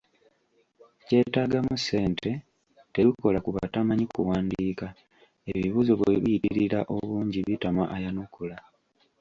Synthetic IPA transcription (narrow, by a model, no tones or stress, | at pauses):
ce̞ːtaːɡamuse̞ːnte̞ | te̞βiko̞lakuβa̰tamaɲikuwaːndiːka | e̞βiβuːzo̞βweβiitiɾiɾaʔo̞βuːɲɟiβitamaʔajanukula